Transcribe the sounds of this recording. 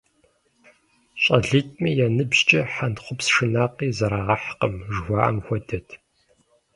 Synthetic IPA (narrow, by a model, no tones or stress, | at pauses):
ɕʼɐɮɨtʼmɐjɛnɨbʒt͡ʃʼɐħantχʷʊpsʂɨnaːqiːzɐɾaːʁɐħqəmʒxʷɑːʔɐ̰mxʷɔdɐtʰ